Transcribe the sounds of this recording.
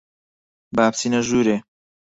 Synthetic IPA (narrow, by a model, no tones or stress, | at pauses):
baːb̚t̪ʰinɐʒuːɾe